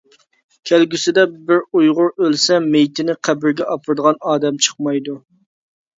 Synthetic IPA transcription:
kʲʰælɡʲysɪd̪ɛbɪɾujʁʊɾølsɛmejt̪ʰɪnɪqʰæbɪɾɡʲɛʔɑpʰəɾɨd̪əʁɑnɑːd̪ɛmt͡ʃʰə̥qmɑjd̪u

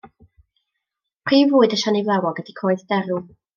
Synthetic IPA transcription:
pʰr̥iːvʊːɨdəʃanejvlˠɛwɔɡədikʰoːɨðd̥ɛɾu

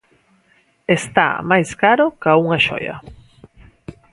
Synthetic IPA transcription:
est̪a̰majskaɾokauŋaʃo̰jɐ̰

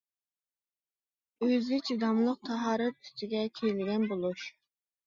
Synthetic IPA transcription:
øzɪt͡ʃʰid̪ɑmlˠəq̚t̪ʰɑɦɑːɾɛt̪̚y̥st̪ɪɡʲɛkʲʰejlɪɡʲɛnbolˠuʃ

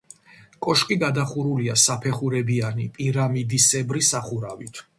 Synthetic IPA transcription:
kʼɔʃkʼiɡad̪aχuɾuliasapʰɛχuɾɛbianipʼiɾamid̪isɛbɾisaχuɾavit̪ʰ

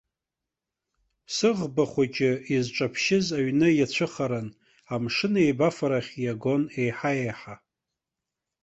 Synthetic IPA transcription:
sɨʁbaχʷat͡ʃʼɪizʈ͡ʂʼapʰʃɪzaɥnɨjat͡ɕʷʰɨχaɾan | amʂɨne̞jbafaɾaχʲjaɡo̞ne̞jħajejħa

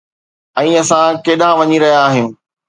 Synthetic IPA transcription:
ɛ̃ːɐsãkeːɗãʋɐɲiɾɐɦijaːɦɪjũː

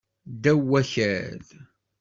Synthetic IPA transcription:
d̪æwːæçæð

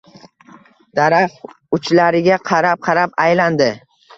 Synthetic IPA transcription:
d̪̥aɾaχ | ʊt͡ʃlaɾɪɡʲaqʰɑɾap̚qʰɑɾapajland̪ɪ

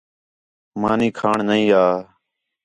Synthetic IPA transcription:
maːnĩːkʰaːɳnəĩːaː

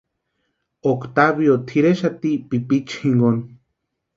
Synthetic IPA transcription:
okt̪aβjot̪ʰiɾeʃat̪iʔpipit͡ʃhiŋɡon

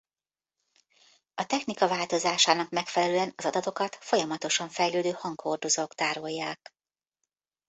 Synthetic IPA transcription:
ɒt̪ɛxnikɒvaːlt̪o̞zaːʃaːnɒkmɛkfɛlɛløːɛnɒzɒd̪ɒt̪o̞kɒt̪fo̞jɒmɒt̪o̞ʃɒɱfɛjløːd̪øːhɒŋkho̞rd̪o̞zoːkt̪aːɾo̞jːaːk

